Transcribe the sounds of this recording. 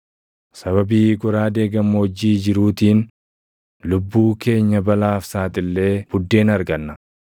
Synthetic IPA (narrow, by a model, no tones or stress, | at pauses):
sɐβɐbiːɡʊɾaːd̪e̞ːɡɐmːod͡ʒːiːd͡ʒɪɾuːt̪iːn | lʊbːuːke̞ːɲːɐbɐlaːfsaːt̪ɪlːe̞ːb̥ʊd̪ːe̞ːnɐɾɡɐnːɐ